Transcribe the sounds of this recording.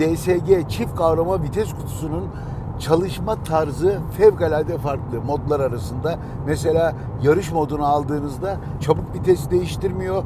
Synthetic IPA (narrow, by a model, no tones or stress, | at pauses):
d̪eseɟet͡ʃʰifkʰavɾamabit̪ʰɛskʰu̥t̪ʰu̥sunun | t͡ʃʰalˠɯʃmat̪ʰaɾzɯfɛvɡalʲald̪ɛfaɾklˠɯmo̞d̪lˠaɾaɾasɯnd̪a | mes̬e̞lʲaː | jaɾɯʃmo̞d̪unaalˠd̪ɯːnɯzd̪a | t͡ʃʰabɯk̚bit̪ʰɛst̪d̪e̞jiʃt̪iɾmijo̞